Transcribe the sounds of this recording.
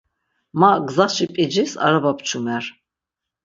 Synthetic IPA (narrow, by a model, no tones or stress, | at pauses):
maɡzaχʃipʼid͡ʒisa̰ɾabapʰt͡ʃʰumɛɾ